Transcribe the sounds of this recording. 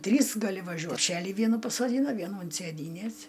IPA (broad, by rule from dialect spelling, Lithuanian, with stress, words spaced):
ˈtʲrʲiːs ɡɐˈlʲɪ ʋɐˈʒʲuɔt pʲˈʃʲæːlʲɪ ˈʋʲiɛnuː pɐsoːˈdʲiːnɐ ˈʋʲiɛnuː ʊnt sʲeːˈdʲiːnʲɛs